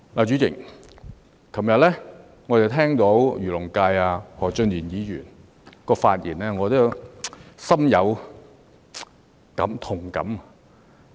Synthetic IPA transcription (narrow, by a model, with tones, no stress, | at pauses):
laː˨˩t͡ʃyː˨˥t͡sɪ̰˨˩ŋ | kʰɐ˨˩mjɐ˨t̚lɛː˥ | ŋɔ˨˧t̪e˨˩wt̪ʰɛː˥ŋt̪o˨˥wjyː˨˩lʊ˨˩ŋkaː˧jaː˧hɔː˨˩t͡ʃɵ˧njiː˨˩njiː˨˧jyː˨˩n | kɔː˧faː˧t̚jḭː˨˩naː˧ŋɔː˨˧t̪o˨˥jwsɐ˥mjɐ˨˧w | kɐ̰˨˥mt̪ʰʊ˨˩ŋkɐ̰˨˥m